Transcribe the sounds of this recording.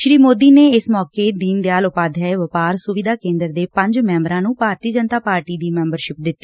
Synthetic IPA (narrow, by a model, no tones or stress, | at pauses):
ʃɾiːmoːd̪iːneːɪsmɔːkeːd̪iːnd̪ejaːlʊpaːd̪ʱaːeʋəpaːɾsʊʋɪd̪aːkẽːnd̪əɾd̪eːpə̃ɲd͡ʒmɛ̃ːmɾãːnũːpaːɾt̪iːd͡ʒənt̪aːpaːɾʈiːd̪iːmɛ̃ːmbəɾʃɪp̚d̪ɪt̪ːiː